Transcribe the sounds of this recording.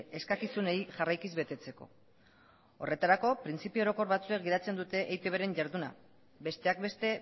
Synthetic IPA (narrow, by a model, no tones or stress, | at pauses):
eskakisunejʝarajkizβe̞t̪e̞t͡se̞ko̞̰ | o̞̰re̞t̪aɾako̞pɾint͡sipioɾo̞ko̞ɾβat͡suek̚ɡiðat͡se̞nd̪ut̪e̞ʔejt̪eβeɾe̞ɲʝaɾðuna̰ | be̞st̪e̞ak̚be̞st̪e̞